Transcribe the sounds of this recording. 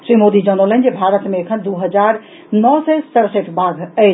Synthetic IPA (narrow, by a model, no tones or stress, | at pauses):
sɾimod̪id͡ʒənələnd͡ʒebʱaɾət̪meːkʰənd̪uɦəd͡ʒaɾ | nɔsɛsəɾseʈʰbʱaɡəɪ